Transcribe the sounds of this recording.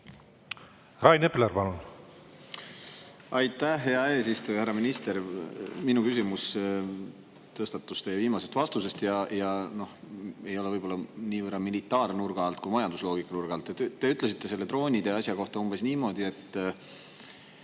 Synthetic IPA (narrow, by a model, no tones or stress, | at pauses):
rɑjnepleɾpɑlun | ɑjt̪ˑːæhːeɑe̞ːsist̪ujɑhæɾːɑminist̪e̞ɾminukysimus | t̪ɤst̪ɑt̪ːust̪ejeviːmɑse̞st̪vɑst̪use̞st̪jɑjɑno̞he̞jo̞levɤjbo̞lːɑniːvɤrːɑmilit̪ˑːɑːrnurɡ̥ɑɑlt̪̚kujmɑjɑnd̪̥uslo̞ːɡikːˑɑnurɡ̥ɑlt̪ːˑet̪t̪ːe̞yt̪ˑle̞s̬it̪ːe̞selːe̞t̪ro̞ːnʲid̪e̞ɑsjɑko̞ht̪ɑumbe̞sniːmo̞ːd̪̥ie̞t̪ːˑ